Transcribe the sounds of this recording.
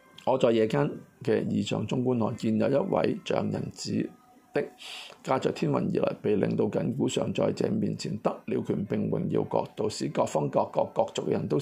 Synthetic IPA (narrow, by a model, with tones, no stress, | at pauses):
ŋɔː˨˧t͡sɔː˧jɛː˨˧kaː˥nkɛː˧jiː˨˧t͡ʃœː˨˩ŋt͡ʃʊ˥ŋkuː˥nhɔː˨˩nkiː˧njɐ˨˧wjɐ˥t̚wɐ̰˨˥jt͡ʃœ̰ː˨˧˥ŋjɐ̰˨˩nt͡siː˨˥ | t̪ɪ˥k̚ːaː˥t͡sœː˨k̚t̪ʰiː˥nwɐ˨˩njḭː˨lɐ̰˨˩jpe˨jlɪ̰˨˧ŋt̪o˧wkɐ˨˥nkuː˨˥sœː˨ŋt͡sɔː˧jt͡sɛ̰ː˧miː˨nt͡sʰiː˨˩nt̪ɐ˥k̚liː˧wkʰyː˨˩npɪ˨ŋwɪ̰˨˩ŋjḭ˧wkɔ̰ː˧k̚t̪o˧wsiː˨˥kɔː˧k̚fɔ˥ŋkɔː˧kːɔː˧kːɔː˧k̚t͡sʊ˨k̚jɐ˨˩nt̪o˥w